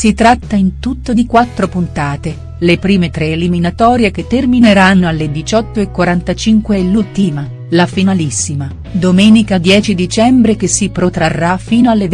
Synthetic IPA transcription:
sit̪ɾat̪ːaint̪ut̪ːod̪ikwat̪ːɾopunt̪aːt̪e | lepɾiːmet̪ɾeːliminat̪ɔːɾjek̟et̪ːermineɾanːoalːed̪it͡ʃɔt̪ːoekːwaɾant̪at͡ʃiŋkweːlːult̪ima | lafinalisːima | d̪omɛːnikad̪jɛːt͡ʃid̪it͡ʃɛmbɾekesːipɾot̪ɾarːafiːnoalːev

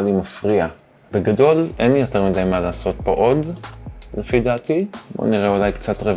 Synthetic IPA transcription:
limafʁia | b̥eɡado̞lʔenlijo̞teʁmidajmalaːso̞t̚boʔo̞dlefidatibo̰niʁeolajkt͡satʁe

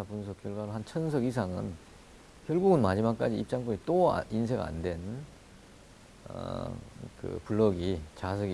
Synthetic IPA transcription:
apunsʰʌk͈jʌɭɡwaɾoɦant͡ɕʰʌns̬ʰʌɡis̬ʰaŋɯ̰n | kjʌɭɡuɡɯnmad͡ʑimak͈̚ad͡ʑiip̚t͡ɕ͈aŋk͈oɾit͈oa̰ins̬ʰe̞ɡa̰a̰ndwe̞n | ʌ̰ | kɯ̰puɭːʌɡit͡ɕas̬ʰʌɡi

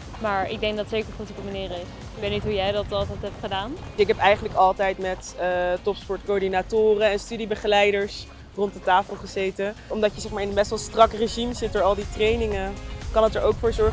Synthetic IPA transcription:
maːɹɪ̰ɡ̚dɛŋɡdɑtsejkəɹχotipəmaniːɾɪs | ɪkʋetnitɦujɛjdɑtɑlˠtɛtɦɛp̚tχədaːnɪkɦɛpɛjχənləkɑlˠtɛjtmɛtətɔpspɔɹtkoːdinatʊːrəɛnstydibəχəlɛjdəɹs | rɔntdətaːfəlˠχəzejtəɔmdɑcjəzɛχmaːɹɪnənbɛstʋɛlˠstrɑkreʒimzɪt̚dʊːɹɑlˠditrejnɪŋəkɑnətəɹowkfʊːɹzɔɹ

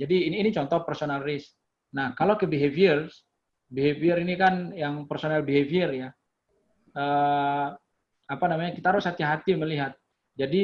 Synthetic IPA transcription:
d͡ʒadiːnːnit͡ʃɔnt̪ɔhpərsonalrɪsk̚ | nahkalokəbiɦeviərs | biɦeviəɾinikanjaŋpərsonalbiɦeviərja | ə | apanamaɲakit̪aɦaɾʊshat̪iaɦat̪iməliɦat̪̚ | d͡ʒadi

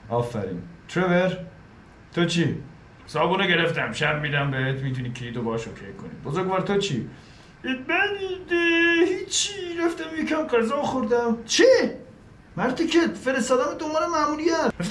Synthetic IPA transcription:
ʔɒːfæ̰ɾḭːnt̪ʰɾeveɾ | t̪ʰot͡ʃʰi | sɒːbuːneɡe̞ɾeft̪æmʃæɾmiːd̪æmbeɦet̪miːd̪uːnikʰeiːd̪obɒːʃokʰekʰːonḭbozoɾɡvɒːɾt̪ʰot͡ʃʰi | mænd̪ehit͡ʃʰːiɾæft̪æmjekʰæmqæzɑːxoɾd̪æmt͡ʃʰi | mæɾt̪ʰikʰefeɾest̪ɒːd̪æmed̪omɑːɾemæmuːlijæef

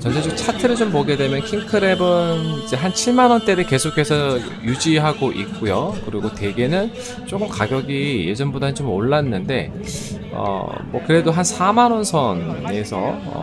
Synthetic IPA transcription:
t͡ɕʌnd͡ʑʰet͡ɕomt͡ɕʰatʰɯɾɯɭt͡ɕompoɡe̞dwe̞mjʌnkʰiŋkʰɯɾe̞bɯnid͡ʑe̞ɦant͡ɕʰiɭmanwʌnt͈e̞ɾeke̞sʰokʰe̞sʰʌ | jud͡ʑiɦaɡoʔik͈ojokɯɾiɡote̞ɡe̞nɯn | t͡ɕ͈okɯmkaɡjʌɡije̞d͡ʑʌnbodanɯnt͡ɕomoɭːanːɯnde̞ | ʌ̰mwʌkɯɾe̞doɦansʰamanwʌnsʰʌne̞sʰʌʌ̰

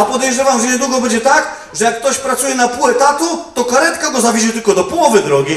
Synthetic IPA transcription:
apɔd̪ɛʒavamʒɛnɛd̪uɡɔbɛd͡ʒɛt̪ak | ʒɛjakt̪ɔʃpɾat̪suɛnapuɛt̪at̪ut̪ɔkaɾɛt̪kaɡɔzaviʃ̬it̪ukɔd̪ɔpulˠɔvɛd̪ɾɔɡi

